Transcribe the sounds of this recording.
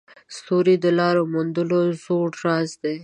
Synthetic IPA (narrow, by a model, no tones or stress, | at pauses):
st̪oɾid̪əlɑɾomund̪əlozoʈɾɑzd̪e